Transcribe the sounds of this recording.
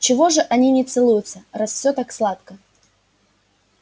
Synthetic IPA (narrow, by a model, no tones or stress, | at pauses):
t͡ɕɪvo̞ʐɨʔɐnʲinʲɪt̪sɨlˠujʊt̪səɾasfsʲot̪akslˠat̪kə